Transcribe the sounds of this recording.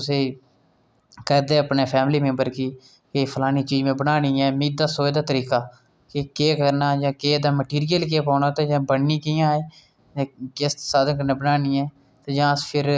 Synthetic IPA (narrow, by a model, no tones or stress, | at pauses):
ʊseː | kəɾd̪eːəpneːpʰɛːmliːmẽːmbəɾkiː | kepʰəlaːniːt͡ʃiːd͡ʒmẽːbənaːniːɛːmĩːd̪aːsoːd̪aːt̪əɾiːkaː | kekeːkəɾnaːd͡ʒãːkeːd̪aːməʈiːɾɪjəlk̬eːpaːnaːt̪eːd͡ʒãːbənniːkiːãːeː | d͡ʒ̃ːkɪst̪ːsaːd̪ənk̬əɾnẽːbənaːniːɛː | t̪eːd͡ʒãːpʰɪɾ